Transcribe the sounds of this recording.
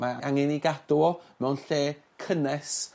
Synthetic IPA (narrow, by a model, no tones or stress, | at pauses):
maaŋɪniɡad̥ʊmɛwnɬeː | kʰənɛs